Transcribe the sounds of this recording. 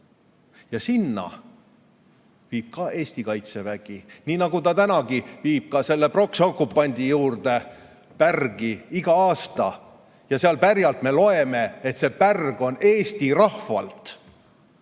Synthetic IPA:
jɑsinːɑ̰ | viːb̥̚kɑʔe̞ːst̪ikɑjt̪se̞væɡ̥iniːnɑɡ̥ut̪ɑt̪ænɑɡiviːb̥̚kɑse̞lːepro̞ksokːˑupːˑɑnʲd̪ijuːrd̪e̞ | pærɡ̥iiɡ̥ɑɑːst̪ɑ | jɑseɑlpærjɑlt̪me̞lo̞e̞me̞et̪se̞pærɡ̥o̞ne̞ːst̪irɑhvɑ̰lt̪

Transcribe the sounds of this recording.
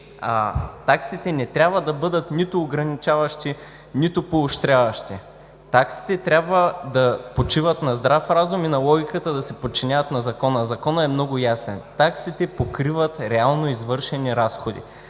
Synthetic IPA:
at̪aksit̪ɛnɛt̪ɾʲabvəd̪ɐbɤd̪ət̪nit̪oːɡɾɐnit͡ʃavɐʃt̪i | nit̪opoːʃt̪ɾʲavɐʃt̪i | t̪aksi̥t̪ɛt̪ɾʲabvəd̪ɐpot͡ʃivət̪nɐzd̪ɾafɾazʊminɐlˠɔɡʲikət̪əd̪ɐsɛpot̪̚t͡ʃinʲavət̪nɐzɐkɔnəzɐkɔnəɛmnɔɡʊjasɛnt̪aksit̪ɛpokɾivət̪ɾɛalˠnoizvɤɾʃɛniɾasxod̪ḭ

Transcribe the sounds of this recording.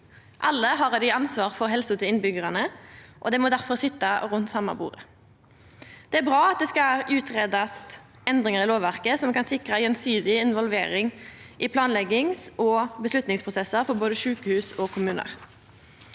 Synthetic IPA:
ʔɑlːəɦɑːʁɑd̪ɪɑnsʋɑːʁfɔʁɦɛlsʊt̪ʰɪlɪnbʏɡəʁɑnəʔɔd̪ɛmɔd̪æʁfɔʁsɪt̪ːɑʁʉnt̪sɑmːɑ̰bṵːʁə | d̪̥ɛæːʁbʁɑːɑt̪̚d̪ɛskɑʔʉːt̪ʁeːd̪ɑst̪ | ɛnd̪ʁɪŋəʁɪloːʋʋæʁkəsɔmkɑnsɪkʁəjɛnsyːd̪ɪɪnʋɔlʋeːʁɪŋʔɪpʰlɑːnlɛɡɪŋsɔbəslʉt̪nɪŋspʰʁʊsɛsəʁfɔʁboːd̪əʃʉːkəhʉːsɔkʰʊmʉːnə̰ʁ

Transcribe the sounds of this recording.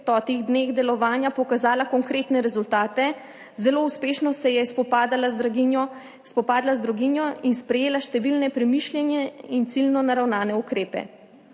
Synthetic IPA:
t̪ɔt̪iɣd̪neːɣd̪ɛlɔʋaːnjapɔkazaːlakɔŋkɾeːt̪nɛɾɛzult̪aːt̪ɛ | zɛlouspeːʃnɔsɛjɛspɔpad̪ala | spɔpaːd̪lazd̪ɾɔɡinjɔinspɾɛjeːlaʃt̪ɛʋilnɛpɾɛmiʃljɛnjɛint̪silnɔnaɾawnaːnɛukɾeːpɛ̰

